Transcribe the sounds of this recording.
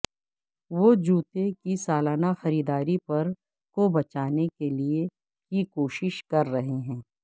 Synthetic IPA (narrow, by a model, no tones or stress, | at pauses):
ʋod͡ʒuːt̪ekisaːlaːnaxɐɾiːd̪aːɾipɐɾ | kobɐt͡ʃaːnekelie | kikoːʃɪʃkɐɾːɐɦeɦɛ̃ː